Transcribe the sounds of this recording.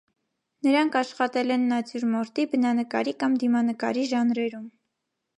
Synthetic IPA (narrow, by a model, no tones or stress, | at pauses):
nəɾɑŋkʰɑʃχɑt̪ɛlɛnːɑt͡sjuɾmɔɾt̪ibənɑnəkɑ̰ɾikɑmd̪imɑnəkɑɾiʒɑnɾɛɾum